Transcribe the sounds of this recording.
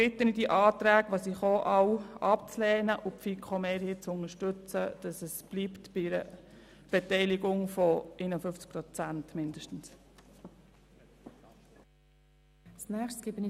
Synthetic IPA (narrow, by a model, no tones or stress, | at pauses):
b̥ɪt̪ːənidiʔɑːt̪ɾæːɡʋosiχoːʔɑwɑpt͡slɛːnəʔʊpfikʰχomɛːɾhiːt͡sʊŋəʃtɵt͡səd̥ɑsɛsb̥liːptb̥ɪɪɾə | b̥ɛtɛɪlɪɡʊŋfɔenəfʏft͡sk̚pɾɔt͡sæntmɪndəʃtən̩s | snæːχt͡sɡ̥ɪbən